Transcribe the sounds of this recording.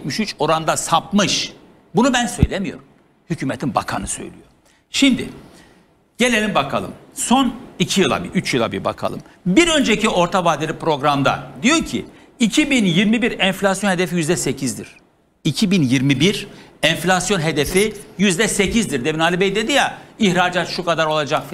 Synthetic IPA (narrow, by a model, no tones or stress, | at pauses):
t̪miʃyt͡ʃo̞ɾand̪asap̚mɯʃ | bunubænsø̞̰jlʲemijo̞̰ɾum | hycʰyːmet̪ʰinba̰kʰa̰nɯsø̰jlʲḭjo | ʃimd̪ɪ̰ | ɟ̥e̞lʲe̞limbakʰa̰lˠɯ̰mso̞nicʰijɯlˠa̰biʔyt͡ʃʰjɯlˠa̰bḭɾba̰kʰa̰lˠɯ̰mbiɾø̞nd͡ʒecio̞ɾt̪ʰavaːd̪elʲipɾo̞ɡɾamd̪a̰d̪ijo̞ɾcʰḭ | icʰibinjiɾmibiɾɛnflʲasjo̞nhe̞d̪efijyzd̪ɛse̞cʰizd̪ḭɾ̥ | icʰibinjiɾmibiɾɛnflʲasjo̞nɦe̞d̪efijyzd̪ɛse̞cʰizd̪iɾd̪eminaːlʲibejd̪e̞d̪ijaihɾaːd͡ʒaːt̪ʃukad̪aɾo̞lˠad͡ʒakf